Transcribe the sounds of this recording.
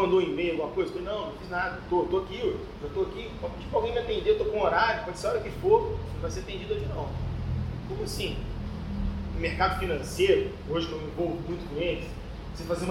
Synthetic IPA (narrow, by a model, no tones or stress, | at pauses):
ɐ̃nd̪õĩmejɐɡumɐkojzɐfolenɐ̃w̃nɐ̃w̃fiznad̪ɐt̪ot̪oakioʒ | ʒat̪oaki | ɔt͡ʃi̥pɾawɡẽj̃mʲiat̪ẽnd̪et̪okõoɾaɾjʊkɐ̃nd̪ʊseɔɾɐkɪfõvajseɾɐt̪ẽd͡ʒid̪ʊoʒɪnɐ̃w̃ | kõmʊasĩ | ʊ̃meɾkad̪ʊfinɐ̃sejɾʊ | oʒɪkẽmĩvowvumũj̃t̪ʊkõelɪs | sefazẽ